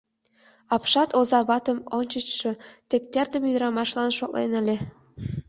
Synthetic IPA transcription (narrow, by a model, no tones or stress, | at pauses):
ɑpʃɑt̪ozɑβɑt̪ə̆monʲt͡ɕət͡ɕʃɤ̆t̪ep̚t̪erd̪ə̆myd̪ɾɑmɑʃlɑnʃoklḛnə̆lʲĕ